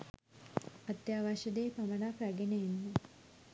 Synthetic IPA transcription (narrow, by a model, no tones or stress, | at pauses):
at̪jaːʋaʃəd̪eːpamənakɾæɡenəenːə